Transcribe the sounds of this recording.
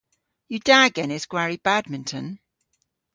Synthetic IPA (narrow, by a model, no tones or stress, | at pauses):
jədaɡɛnɪzɡ̥waɹibadmɪ̃ntʰə̃n